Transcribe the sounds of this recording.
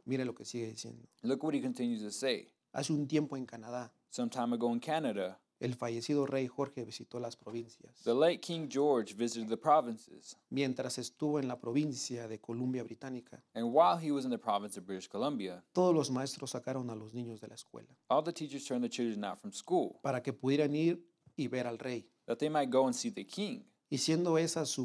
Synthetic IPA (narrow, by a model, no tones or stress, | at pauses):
miɾelo̞ke̞siɣeðisje̞̰nd̪olʊkwʌt̚hikɨ̃n̩tʰɪ̃njʉztʰɨseɪ | a̰seunt̪je̞mpo̞e̞ŋkanaða | sʌ̃mtʰãɪ̃məɡoʊə̃nkʰænɨɾɨ | e̞lfaʝe̞siðo̞re̞jxo̞ɾxe̞βisit̪o̞laspɾo̞βinsjasðəleɪt̚kʰɪ̃ŋd͡ʒɔɹd͡ʒvɪzɨɾɨd̪̚ðɨpʰɹ̥ɑvɨ̃nsɪ̰z̥mje̞nt̪ɾase̞st̪uβo̞enlapɾo̞βinsjaðe̞ko̞lumbjaβɾit̪anikʰa̰ɨ̃nwaɪlˠiwʌznðɨpʰɹ̥ɑvɨ̃nsʌvbɹɪɾɨʃkʰəlʌ̃mbiɨt̪o̞ð̞ozlo̞zmae̞st̪ɾo̞sːakaɾonalo̞znĩɲo̞zðe̞laeskwḛlaɔlˠðɨtʰit͡ʃə˞z̥tʰɜ̃˞nðɨt͡ʃʰɪlˠdɹə̃naʊtfɹʌ̃mskulˠpaɾake̞puðje̞ɾaniɾ | iβe̞ɾalre̞j | ðɨt̪̚ðeɪmaɪt̚ɡ̥oʊə̃nsiðɨkʰɪ̃ŋ | isje̞nd̪o̞e̞sasu